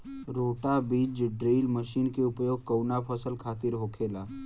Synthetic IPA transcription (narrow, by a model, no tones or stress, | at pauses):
ɾoːʈabiːd͡ʒɖɾiːlməʃiːnkeʊpjoːɡ̚kəwnapʰəsəlkʰaːt̪ɪɾɦoːkʰeːlaː